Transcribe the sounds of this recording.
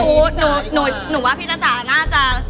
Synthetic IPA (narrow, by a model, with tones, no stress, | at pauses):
nuː˨˩˦nuː˨˩˦nuː˨˩˦waː˥˩pʰi˦˥t̪̚ʰːa˧˥saː˨˩˦naː˥˩t͡ɕa˨˩